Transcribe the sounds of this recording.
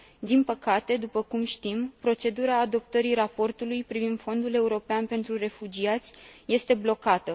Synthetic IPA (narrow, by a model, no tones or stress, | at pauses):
d̪inpəkat̪e̞d̪upəkumʃt̪impɾo̞t͡ʃe̞d̪uɾaːd̪o̞p̚t̪əɾiɾapo̞rt̪ulujpɾivind̪̥fo̞nd̪ule̞uɾo̞peanpe̞nt̪ɾure̞fud͡ʒiat̪sʲje̞st̪e̞blo̞kat̪ə